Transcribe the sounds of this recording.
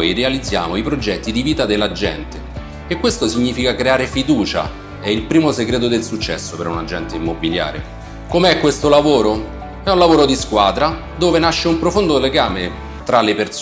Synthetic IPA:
jd̪ealid̪zːja̰ːmoipɾod͡ʒɛt̪ːid̪iviːt̪ad̪elːad͡ʒɛ̰nt̪eː | kːwest̪osiɲːiːfikakɾeaːɾefid̪uːt͡ʃa̰ | ɛilpɾiːmoseɡɾeːt̪̬od̪elsut͡ʃːɛ̰sːopeɾuna̰d͡ʒɛnt̪eimːobilja̰ːɾḛ | komeɛkːwest̪olavoːɾo | ɛũnlavoːɾod̪iskwaːd̪ɾa | d̪oːvenaʃːeumpɾofond̪oleɡaːme | t̪ɾalepers

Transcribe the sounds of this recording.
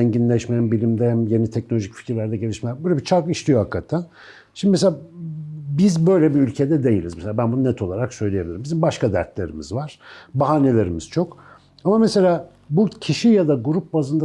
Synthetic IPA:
ɛɲɟinlʲɛʃmæmbilʲimd̪ɛhæmje̞nit̪ʰɛc̚nolʲo̞ʒicfi̥cʰiɾlʲæɾd̪ɛɟe̞lʲiʃmɛæbøjlʲebit͡ʃʰaɾkiʃt̪ʰʲijohakːat̪ʰan | ʃimd̪imes̬ea | bizbøjlʲebiylʲcʰe̞d̪ɛd̪e̞jilʲizmɛselaːbænbununɛt̪ʰo̞lˠaɾaksø̞jlʲejebilʲiɾimbizimbaʃkad̪æ̰ɾt̪lʲeɾimizvaɾ̥baɦaːne̞lʲe̞ɾimiz̥t͡ʃʰo̞k | amamese̞lʲaː | bucʰiʃijad̪aɡuɾup̚bazɯnd̪a

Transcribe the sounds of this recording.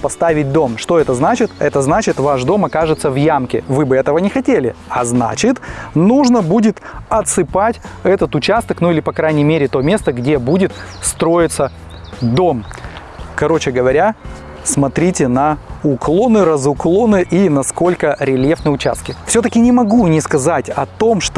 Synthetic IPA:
pɐst̪avʲɪt̚ʲd̪o̞mʂt̪o̞ɛt̪əznat͡ɕɪt̪ɛt̪əznat͡ɕɪt̪vaʂd̪o̞mɐkaʐɨt̪səvjamkʲɪ̰vɨbɨɛt̪əvənʲɪxɐtʲelʲɪ̰ɐzna̰t͡ɕɪt̪nuʐnəbudʲɪt̪ɐt̪sɨpatʲɛt̪ət̪ʊt͡ɕast̪əknuilʲɪpɐkɾajnʲɪjmʲeɾʲɪt̪o̞mʲe̞st̪əɡdʲe̞budʲɪt̪st̪ɾo̞jɪt̪sə | d̪o̞m | kɐɾo̞t͡ɕɪɡəvɐɾʲa | smɐt̪ɾʲitʲɪnɐʊklˠo̞nɨɾəzʊklˠo̞nɨʔinɐsko̞lʲkəɾʲɪlʲjefnɨʊt͡ɕa̰st̪̚kʲɪfsʲot̪əkʲɪnʲɪmɐɡunʲɪskɐzatʲɐt̪o̞mʂt̪

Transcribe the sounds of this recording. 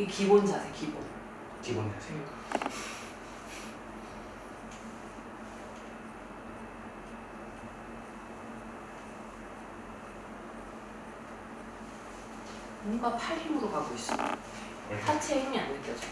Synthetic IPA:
ikibond͡ʑasʰekibon | kibond͡ʑasʰe | moŋɡapʰaɭimɯɾokaɡois͈ʌ | sʰat͡ɕʰeiŋianeɭk͈ʌd͡ʑo

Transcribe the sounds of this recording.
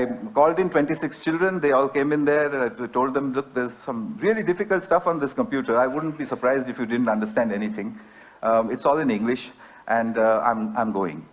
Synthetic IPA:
aɪkɔːlɖɪ̃nʈwɛ̃ɳʈisɪkst͡ʃɪlɖɾə̃nd̪eɔːlkẽːmɪ̃nd̪eaɪʈoːlɖ̚d̪ɛ̃mlʊk̚d̪eɾzsʌ̃mɾiəliɖɪfɪkəlʈstʈʌfɔ̃nd̪ɪskə̃mpjuːʈəɾaɪʋʊɖən̩ʈ̚biːsəɾpɾaɪzdɪfjuɖɪdən̩ʈʌ̃ɳɖəsʈæ̃ɳɖɛnit̪ʰɪ̃ŋ | ʔɪʈsɔːlɪ̃nɪ̃ŋɡlɪʃ | ʔɛ̃ɳɖã̰ɪ̃mã̰ɪ̃mɡoːɪ̰̃ŋ

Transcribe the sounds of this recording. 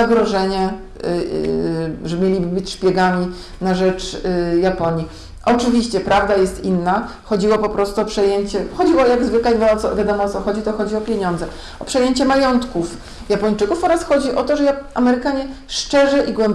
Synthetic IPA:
aɡɾɔʐɛɲɛ | ʐɛmʲjelʲibɘbɘt͡ɕʂpʲjɛɡamʲi | naʐɛt͡ʂjapɔɲji | ʔɔt͡ʂɘvʲiɕt͡ɕɛpɾavd̪ajɛst̪inːa | xɔd͡ʑiwɔpɔpɾɔst̪uɔpʂɛjeɲt͡ɕɛxɔd͡ʑiwɔjaɡzvɘklad̪vaɔt̪sɔvʲjad̪ɔmɔɔt̪sɔxɔd͡ʑit̪ɔxɔd͡ʑiwɔpʲjeɲɔnd̪zɛ | ɔpʂɛjeɲt͡ɕɛmajɔnt̪kuf | japɔɲt͡ʂɘkufɔɾasxɔd͡ʑiʔɔt̪ɔʐɛaʔamɛɾɘkaɲɛ | ʂt͡ʂɛʐɛʔiɡwɛmb

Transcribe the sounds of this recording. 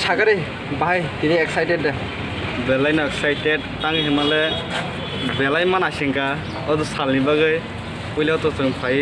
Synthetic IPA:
sʰaɡɯɾɯj | baajkinieksajtedːa | belajnaeksajted̚taŋɦimale | belajmanasiŋkaː | dusalnibaɡɯj | pujlawtɔtɔŋpʰaj

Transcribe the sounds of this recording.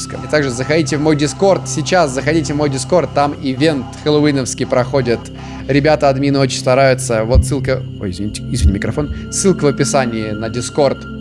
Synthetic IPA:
skə̰ɪt̪aɡʐɨzəxɐdʲitʲɪvmo̞jdʲɪsko̞rt̪sʲɪt͡ɕaszəxɐdʲitʲɪvmo̞jdʲɪsko̞rt̪ːamɪvʲe̞nt̪xəlˠʊvinəfskʲɪjpɾɐxo̞dʲɪt̪ | ɾʲɪbʲat̪əɐd̪mʲinəo̞t͡ɕɪnʲst̪ɐɾajʊt̪səvo̞t̪sɨlˠkə | o̰ɪzvʲɪnʲitʲɪizʲvʲɪnʲɪmʲːɪkɾɐfonsːɨlˠkəvəpʲɪsanʲɪɪnədʲɪsko̞rt̪

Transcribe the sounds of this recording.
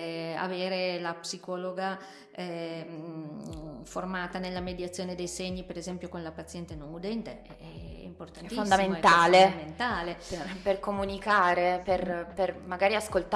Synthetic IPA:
a̰veːɾelapsikɔːloɡa | formaːt̪anelːamed̪jat̪sːjoːned̪ejsɛɲːipeɾezɛmpjokonlapat̪sːjɛnt̪enonud̪ɛnt̪eɛɛ̰import̪anɛifonːsd̪aimenɛt̪aːled̪ament̪aːleperkomunikaːɾeperpermaɡaːɾiaskolt̪

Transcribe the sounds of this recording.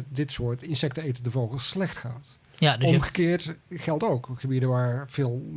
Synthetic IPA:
dɪtsʊːɹtɪnsɛk̚təejtədəvoχəlˠslɛχtχaːt | adɔmχə̥kɪːɹtχɛlˠtowkχəbidəʋaːɹv̥ɪːlˠ

